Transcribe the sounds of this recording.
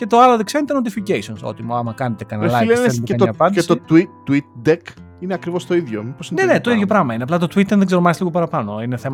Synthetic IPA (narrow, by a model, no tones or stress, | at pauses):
ce̞t̪o̞ɐloðekseɾnit̪enot̪ificesionso̰t̪imɐɐmɐkɐnet̪e̞kɐnɐlɐleet̪ɐpɐt̪est̪ot̪i | uit̪̚d̪ek | ineɐkɾivo̞st̪oiðʝomiposinenet̪o̞iðʝopɾɐɣmɐineɐplɐt̪o̞t̪wit̪ːeɾðeɡzɾomɐsliɣopɐɾɐpɐno̞ine̞θe̞m